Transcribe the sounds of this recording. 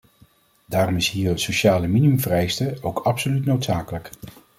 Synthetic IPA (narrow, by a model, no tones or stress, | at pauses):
daːrɔmɪsɦiːɹətsoʃaːləminiɵmvərɛjstəowkɑpsolytnowtsaːkələk